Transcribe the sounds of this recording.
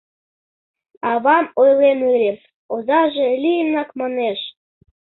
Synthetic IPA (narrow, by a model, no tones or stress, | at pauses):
ɑβɑmojlenylʲem | ozɑʒelʲijəmnɑkmɑneʃ